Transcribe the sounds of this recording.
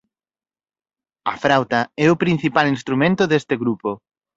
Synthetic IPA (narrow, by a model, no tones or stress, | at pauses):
ɐfɾawt̪ɐɛʊpɾĩn̟θipalinst̪ɾumẽnt̪ʊðest̪ɪɣɾupo